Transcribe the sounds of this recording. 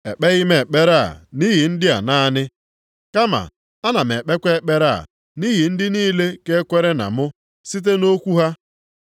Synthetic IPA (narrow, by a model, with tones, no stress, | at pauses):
e˨k͡pe˦ɣɪ˦me˨e˨k͡pe˦ɾa˦˨ni˦ɦi˨n̩˦dɪ˦a̰˨na˦nɪ˦ | ka˦ma̰˨ | a˦na˨m̩˨e˨k͡pe˦kʷe˦e˦k͡pe˦ɾa̰˦˨ | ni˦ɦi˨n̩˦dɪ˦niː˦le˦ke˦kʷe˦ɾe˦na̰˨mʊ˦ | si˦t̬e˦no˦kʷu˦ɦa˦